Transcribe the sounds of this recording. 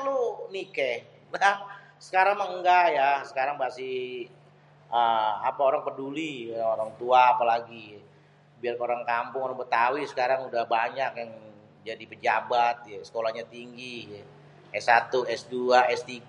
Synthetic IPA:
lunikɛ | lah | sə̥kaɾaŋməŋŋɡajasə̥kaɾaŋbasi | ʔəapaoɾaŋpədulioɾaŋt̪uaːpalaɡi | biarkaoɾaŋkampʊŋoɾaŋbət̪awisə̥kaɾaŋudahbaɲakjaŋ | d͡ʒadipəd͡ʒabat̪̚jasə̥kolahɲat̪iŋɡi | ɛsːat̪uɛsduaʔɛst̪iɡ

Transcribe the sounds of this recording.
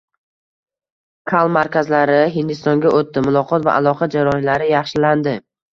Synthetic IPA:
kʰalˠmaɾkʲʰazlaɾɪɦɪnd̪ɪst̪ɒŋɡʲaʔot̪ːɪmʊlˠɒqʰɒt̪va̰ʔalˠɒqʰɑd͡ʒaɾɒɪnlaɾɪjɑχʃɪland̪ɪ

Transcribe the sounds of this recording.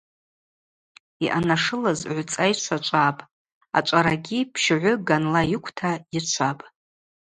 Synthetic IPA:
iʔanaʂɨlazʕʷt͡sʼajt͡ʃʷʰat͡ʃʷʼapʼ | a̰t͡ʃʷʼaɾaɡʲipʰʃʕʷʊɡanlajɪkʷʰtʰait͡ʃʷʰapʼ

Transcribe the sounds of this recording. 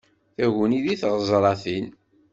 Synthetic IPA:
θæʝəniðiθʁəzˤɾˤɑθil

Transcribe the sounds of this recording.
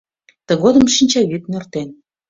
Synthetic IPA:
t̪əɣod̪ə̆mʃinʲt͡ɕɑβyt̪̚nørt̪en

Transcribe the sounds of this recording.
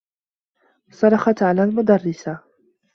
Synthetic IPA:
sˤɑɾˤɑxɑt̪ʕalaːlmʊd̪ɑrˤːɪsa

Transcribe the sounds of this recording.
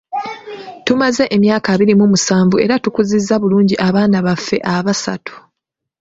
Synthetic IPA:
tumaze̞ʔemjaːkaβiɾimumusaːɱvue̞̰ɾatukuzizːaβuluːɲɟiʔaβaːnaβafːe̞̰ʔaβasa̰tu̥

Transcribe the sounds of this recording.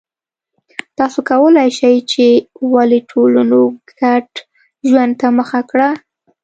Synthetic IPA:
t̪ɑsokawəlajʃajt͡ʃewaliʈʰolunoɡaʈ | ʒwand̪̚t̪aməxakɽa

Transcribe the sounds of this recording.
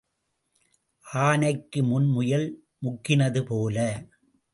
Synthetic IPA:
ʔaːnɐɪkːɯmʊnmʊjɐl | mʊkːɪnɐðɯpoːlɐ

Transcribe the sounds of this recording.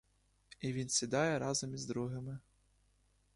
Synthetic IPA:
iʋʲinsʲid̪ɑjɛɾɑzɔmizd̪ɾuɦɪmɪ

